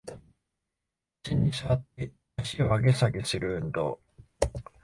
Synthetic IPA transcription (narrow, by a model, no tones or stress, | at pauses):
ɕiɲ̟isɨβat̪ːe | aɕiβaɡesaɡesɨɾɯ̟nd̪o̰